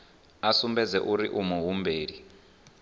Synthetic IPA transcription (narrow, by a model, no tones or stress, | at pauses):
asumbɛd͡zɛ̰ʔuɾiʔumuɦumbeːɺi